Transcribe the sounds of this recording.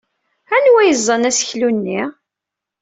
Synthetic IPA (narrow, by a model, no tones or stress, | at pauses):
ænwæjəzˤːɑnæsəçlunːi